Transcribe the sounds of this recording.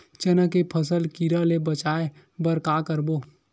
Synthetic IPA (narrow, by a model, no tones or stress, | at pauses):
t͡ʃənəkepʰəsəlkiɾəlebət͡ʃaːe | bəɾkakəɾboː